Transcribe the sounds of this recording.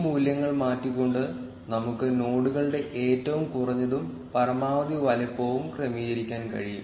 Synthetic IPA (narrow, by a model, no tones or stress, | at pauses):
muːljɐŋːɐɭmaːtːikʲːo̞ɳɖɨ | nɐmukːɨno̞ːɽuɣɐɭɨɽe̞ʔeːtːɐʋumkurɐɲːɐðum | pɐrɐmaːʋɐd̪iʋɐlɐpːo̞ːʋumkrɐmiːjɐɾikʲːaːnkɐ̰ɻijṵm